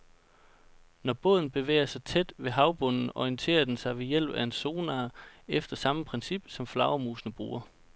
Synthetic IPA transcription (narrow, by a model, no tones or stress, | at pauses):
nɒb̥ɔ̽ðˠn̩b̥e̝ʋḛːɪɐsɑ̈ɪt͡sʰed̥ʋe̝ɦɑ̈ʊb̥ɔ̽nn̩ɒiənt͡sʰe̝̰ːɐd̥ensɑ̈ɪʋe̝jel̰b̥æe̝nso̝ːnɑːefd̥ɐsɑ̈məpʰʁɛnsib̥sɒ̽mflɑ̈ʊɐmuːsnəb̥ʁṵːɐ